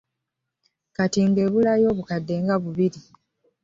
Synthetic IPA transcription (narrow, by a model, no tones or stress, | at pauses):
katiŋɡe̞ːβulajo̞ːβukadːe̞ːŋɡaβuβiɾi